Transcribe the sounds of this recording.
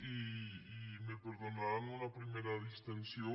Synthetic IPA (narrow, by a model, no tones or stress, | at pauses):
iː | mepeɾðonaɾŋoɐpɾimejɾɐðist̪ensjo